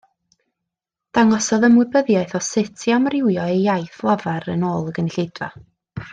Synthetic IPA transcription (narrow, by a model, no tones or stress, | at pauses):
d̥aŋɔsɔðəmwɨbəðjaɨθɔsɪtʰiamrɪwjɔejjajθlˠavaɾənoːlˠəɡənɪɬedva̰